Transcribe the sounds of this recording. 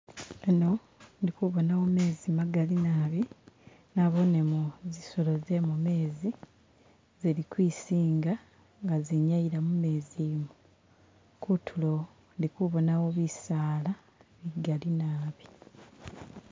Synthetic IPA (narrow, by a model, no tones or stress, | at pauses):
eno̞ | ndikuβo̞nawo̞me̞ːzimaɡalinaːβi | naβo̞nemuziso̞lo̞ze̞mume̞ːzi | zeɾikwiːsiːŋɡa | ŋɡaziɲaiɾamume̞ːzimu | kutʰulo̞ | ndikuβo̞nawo̞βisaːla | βiɡalinaːβi